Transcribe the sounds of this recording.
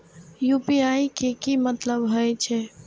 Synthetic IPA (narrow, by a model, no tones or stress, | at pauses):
jupiaikekimət̪ləbɦojt͡ʃʰɛ